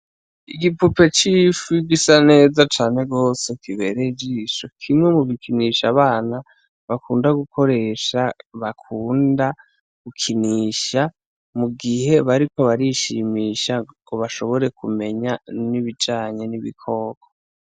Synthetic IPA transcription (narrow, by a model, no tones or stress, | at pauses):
iɡipupe̞t͡ʃiːfuɡisane̞ːzat͡ʃaːne̞ɡo̞ːse̞kʰiβe̞ɾe̞d͡ʒiːʃokʰimŋe̞muβikʰiniʃaβaːna | βakuːndaɡuko̞ɾe̞ʃaβakʰuːnda | ɡ̥ukʰiniːʃa | muɡihe̞βaɾiko̞βaɾiʃimiːʃakʰoβaʃo̞βo̞ɾe̞kume̞ɲaniβid͡ʒaːɲe̞niβḭkʰo̞ːɡ̥o